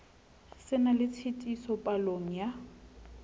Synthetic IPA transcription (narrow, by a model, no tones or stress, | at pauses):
sɪnalɪt͡sʰitʼisɔpʼaloŋ̩ja